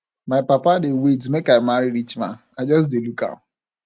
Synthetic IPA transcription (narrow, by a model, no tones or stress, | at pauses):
maɪpapadewetmekaɪmaɾiɾit͡ʃmã̰ | aɪd͡ʒɔs̬deluka̰